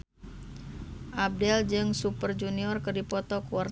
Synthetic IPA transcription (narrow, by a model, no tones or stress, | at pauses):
ʔab̚dɛld͡ʒɨŋsupərd͡ʒuniɔrkərdipɔt̪ɔkuar